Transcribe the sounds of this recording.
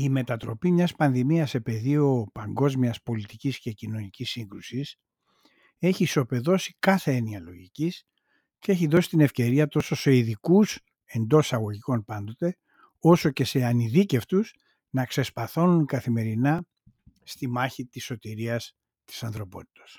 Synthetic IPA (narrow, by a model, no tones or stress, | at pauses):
ime̞t̪ɐt̪ɾo̞pimɲɐspɐnðimiɐse̞pe̞ðio̞pɐŋɡo̞zmiɐspo̞lit̪icisce̞cino̞nicisːiŋɡɾusis | e̞çiso̞pe̞ðo̞si̥kɐθe̞eniɐlo̞ʝicis | cee̞çiðo̞si̥t̪ine̞fce̞ɾiɐt̪o̞so̞se̞iðikus | e̞nd̪o̞ssɐɣo̞ʝiko̞npɐnd̪o̞t̪e̞ | o̞so̞ce̞se̞ɐniðice̞ft̪us | nɐkse̞spɐθo̞nunkɐθime̞ɾinɐ | st̪imɐçit̪iso̞t̪iɾiɐs | t̪i̥sɐnθɾo̞po̞t̪i̥t̪o̞̥s